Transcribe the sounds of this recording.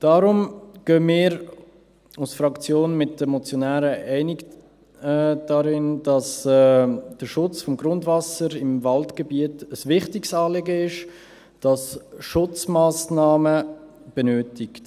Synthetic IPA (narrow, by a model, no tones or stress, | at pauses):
d̥aːɾʊmɡ̥øːmɪːɾ | usfɾɑkt͡sjoːnmɪt̚d̥əmɔt͡sjonæːɾəʔɛɪnɪɡ | d̥aɾɪnd̥ɑsɛd̥əʃʊt͡sfɔmɡɾʊndvɑsəɾɪmvɑltɡ̥əbiətəsvɪχtɪksɑːleɡəɪʃ | d̥ɑsʃʊt͡smaːsnɑːmə | b̥enøːtɪkt